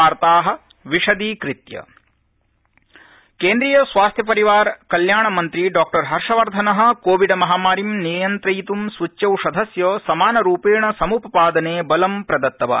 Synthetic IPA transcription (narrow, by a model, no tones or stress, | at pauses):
aːɾt̪aːɦɐ̆ | ʋiʂɐd̪ikɾit̪jɐ̰ | keːnd̪ɾiːjɐsʋaːst̪ʰjɐp̬ɐɾiʋaːɾkɐljaːɳɐmɐnt̪ɾiɖaːk̚ʈɐɾɦɐɾʂɐʋɐɾd̪ʱɐnɐɦɐ̆koːʋiɖɐmɐɦaːmaːɾimnijɐnt̪ɾɐjt̪umsʋut͡ʃːjɐwʂɐd̪ʱɐsjoːsɐmaːnɐɾuːpeːɳɐsɐmupɐpaːd̪ɐneːbɐlɐmpɾɐd̪ɐt̪ːɐʋɐ̰